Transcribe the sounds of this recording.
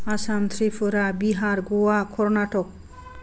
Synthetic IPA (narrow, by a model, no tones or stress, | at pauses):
asant̪ʰɾipʰoɾabiɦaɾɡowakʰɔɾnaʈɔk̚